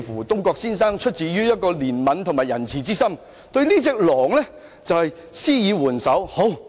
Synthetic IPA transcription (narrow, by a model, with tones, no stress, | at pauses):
fuː˨˩t̪ʊ˥ŋkɔː˧k̚siː˥nsaː˥ŋt͡ʃʰɵ˥t̚t͡siː˨˥ɥyː˥jɐ˥t̚kɔː˧liː˨˩nmɐ˨˥nt̪ʰʊ˨˩ŋmaː˨jɐ˨˩nt͡sʰiː˨˩t͡siː˥sɐ˥m | t̪ɵ˧ɥliː˥t͡sɛː˧k̚lɔː˨˩ŋlɛ˥ | t͡sɐ˨whɐ˨jsiː˥jiː˨˧wuː˨˩nsɐ˨˥who˨˥w